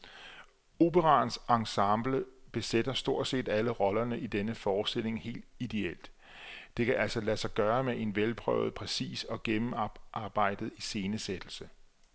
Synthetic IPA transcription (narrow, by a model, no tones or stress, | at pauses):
o̝b̥əʁɑ̈ːnsɑ̈ŋsɑ̈mb̥ləb̥e̝sed̥ɐsd̥o̝ɐ̰d̥se̝̰ːd̥æləʁɒ̽lɐnəid̥enəfɒ̥ːsd̥e̝le̝ŋhe̝̰ːld̥id̥e̝el̰d̥ | d̥e̝kʰæʔæl̰sɒ̽læsɑ̈ɪɡ̥ɶːɐmeʔe̝nʋelpʰʁœ̰ʊ̰ð̞̩ˠpʰʁɛsḭːsɒ̽ɡ̥emm̩ʔɑ̈ːb̥ɑ̈ɪ̰d̥ð̩ˠise̝ːnəsed̥l̩sə